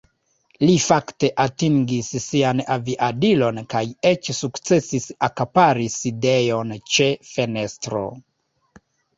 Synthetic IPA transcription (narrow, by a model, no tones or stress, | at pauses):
lifakte̞ʔatiŋɡissianaviʔadilo̞nkaje̞t͡ʃsukt͡se̞sisakapaɾiside̞jo̞nt͡ʃe̞fe̞ne̞stɾo̞̰